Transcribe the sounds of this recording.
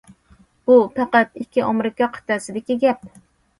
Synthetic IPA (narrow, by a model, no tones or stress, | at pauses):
b̥upʰæqæt̪ɪkʲːiʔɑmɾɪkɑqʰə̥t̪ɛsɪd̪ɪkʲiɡʲɛp̚